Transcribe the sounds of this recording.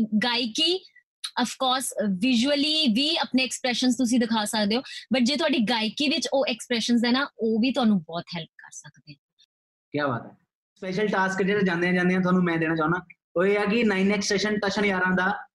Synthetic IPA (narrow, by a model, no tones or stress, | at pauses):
ɡaːikiː | əpʰkɔːɾsʋɪʒuəliːʋiːəpneːɛkspɾɛːʃənzt̪ʊs̬ĩd̪ɪkʰaːsəkd̪eːoːbəʈ̚d͡ʒeːt̪ʊɦaːɖiːɡaːikiːʋɪt͡ʃoːɛkspɾɛːʃənzɛːnaːoːʋiːt̪ʊaːnũːbɔːt̪ɦɛlp̚kə̰ɾsəkd̪eːã | kjaːba̰ːt̪ɦɛː | spɛːʃəlʈaːskd͡ʒeːɾeːd͡ʒãːnd̪eãːd͡ʒãːnd̪eːãːt̪ʊɦaːnũːmɛ̃ːd̪eːɽ̃aːt͡ʃãːnd̪aː | oːeːaːkɪnaːinɛːksʈɛːʃənʈəʃənjaːɾãːd̪aː